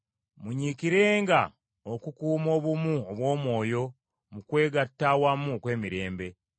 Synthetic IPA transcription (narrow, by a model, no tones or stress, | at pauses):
muɲiːkiɾe̞ːŋɡa | okukuːmo̞ːβumuoβwo̞ːmwo̞ːjo̞ | mukwe̞ːɡatːawamːukwe̞ːmiɾe̞ːmbe̞